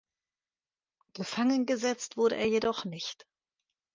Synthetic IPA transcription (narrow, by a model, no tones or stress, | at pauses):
ɡ̥əfaŋənɡəzɛt͡stv̥ʊɐɾə̰ʔeːɐjedɔχnɪçt